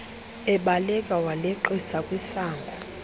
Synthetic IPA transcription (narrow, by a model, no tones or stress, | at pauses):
ɛɓalɛkʼawalɛǃisakʼwisaːŋɡʱɔ